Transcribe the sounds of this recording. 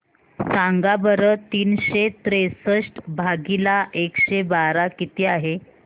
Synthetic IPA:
saŋɡabəɾət̪iːnɕet̪ɾesəʂʈbʱaɡilaʔekɕebaɾakit̪iːaɦe

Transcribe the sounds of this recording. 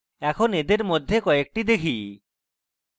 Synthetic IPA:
ɛkʰoned̪eɾmod̪ʱːekɔek̚ʈid̪ekʰij

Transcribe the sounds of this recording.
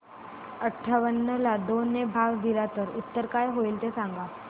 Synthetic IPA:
əʈʰːaʋənːəlad̪onːebʱaʋd̪ilat̪əɾut̪ːəɾkajɦoiːlt̪esãŋɡa

